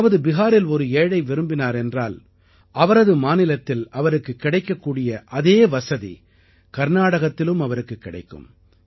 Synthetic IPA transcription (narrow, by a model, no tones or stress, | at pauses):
ʋɐðɯbɪɣaːɾɪlɔɾɯeːɽɐɪʋɪɾɯmbɪnaːɾɛndraːl | ʔɐʋɐɾɐðɯmaːnɪlɐt̪ːɪlɐʋɐɾɯkːɯkːɪɽɐɪkːɐkːuːɽɪjɐʔɐðeːʋɐsɐðḭ | kɐɾɯnaːɽɐɣɐt̪ːɪlɯmɐʋɐɾɯkːɯkːɪɽɐɪkːɯ̰m